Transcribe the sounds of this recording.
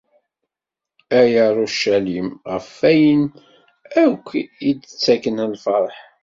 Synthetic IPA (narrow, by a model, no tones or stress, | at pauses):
æjəɾˤoʃælimʁəfːæjən | ækʷːjidət͡sːækənəlfɑɾˤħ